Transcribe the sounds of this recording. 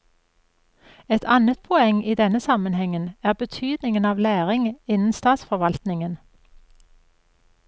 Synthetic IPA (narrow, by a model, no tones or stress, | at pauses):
ɛt̪ʰɑnət̪̚pʰɔɛŋʔiːd̪ɛnəsɑmənhɛŋənæːʁbət̪ʰyːd̪nɪŋənɑːʋlæːʁɪŋɪnn̩st̪ɑːt̪sfɔʁʋɑlt̪nɪŋən